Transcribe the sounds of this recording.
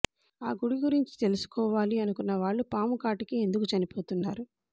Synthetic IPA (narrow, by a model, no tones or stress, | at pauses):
aːɡuɽiɡuɾiɲt͡ʃi̥t̪e̞lusu̥kɔːʋaːliɐnukunːɐʋaːɭːupaːmukaːʈikie̞nd̪ukut͡ʃɐnipo̞ːt̪unːaːɾu